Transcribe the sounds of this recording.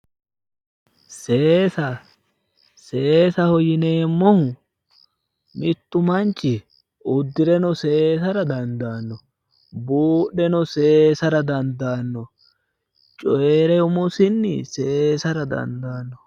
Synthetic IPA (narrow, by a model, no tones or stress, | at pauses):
seːsɐ | seːsɐhɔjɪneːmːɔhʊ | mɪt̪ːʊmɐnt͡ʃʼːɪ | ʊd̪ːɪɾɛnɔseːsɐɾɐd̪ɐnd̪aːnːɔ | buːɗɛnɔseːsɐɾɐd̪ɐnd̪aːnːɔ | t͡ʃʼɔjeːɾɛʊmɔsɪnːɪseːsɐɾɐd̪ɐ̰nd̪aːnːɔ